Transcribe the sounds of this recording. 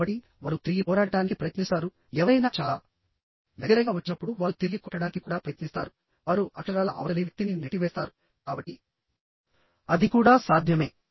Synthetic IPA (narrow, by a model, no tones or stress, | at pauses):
ɐʈːi | ʋaːɾut̪ɾiɡipɔːɾaːɽɐɖaːnikipɾɐjɐt̪nist̪aːɾu | ɛːʋɐɾɐjnaːt͡ʃaːlaː | d̪ɐɡɐɾɐjɡaːʋɐt͡ʃːinɐpːuɽuʋaːɾut̪ilːikɔʈːɐɽaːnikikuːɽaːpɾɐjɐt̪nist̪a̰ːɾu | ʋaːɾuʔɐkɐɾaːlɐʔɐ̰ʋɐɾɐliʋɐk̚t̪ininɐʈːiʋɛːst̪aːɾu | kaːbɐʈːi | ɐd̪ikuːɽaːsaːd̪ʱjɐme̞ː